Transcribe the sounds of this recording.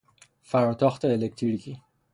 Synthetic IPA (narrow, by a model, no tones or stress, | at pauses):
faɾɔt̪ɔxt̪eelek̚t̪iɾki